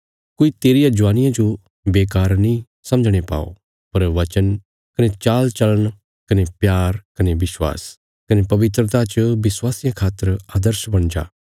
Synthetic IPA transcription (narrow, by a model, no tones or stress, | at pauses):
koit̪eːɾijãd͡ʒʋaːnɪjãd͡ʒo | beːk̬aːɾnĩ | sɐ̃md͡ʒɽ̃epa̰ːo̰ | pɐɾʋɐt͡ʃən | kɐnet͡ʃaːlt͡ʃɐləɳ̃ | kɐnepjaːɾkɐnebɪswa̰ːs | kɐnepɐʋɪt̪̬ɾət̪at͡ʃbɪswaːsijãkʰaːt̪ːəɾaːd̪əɾsbɐ̃ɽ̃d͡ʒa̰ː